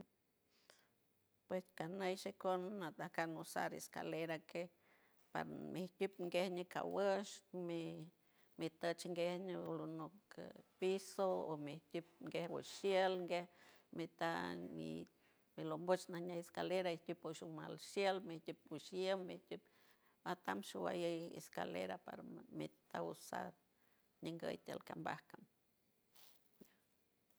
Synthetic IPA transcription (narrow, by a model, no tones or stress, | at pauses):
pweskanəjʃekonːat̪ahkanosa̰ɾḛska̰leɾake | pa̰ɾmiht̪ʲupŋɡehnika̰wəʃmi | mit̪ət͡ʃŋɡehnilonukpisoo̰miht̪ʲup̚ŋɡehwə̰ʃjelŋɡeh | mit̪amḭ | milombot͡ʃnahɲajeskaleɾaiht̪ʲupuʃuma̰lʃjelmiht̪ʲup̚uʃjəmːiht̪up | at̪amʃuwa̰jəjḛska̰lḛɾapa̰ɾmit̪ausa̰ɾ | ɲiŋɡə̰jt̪ʲelkamba̰hkam | a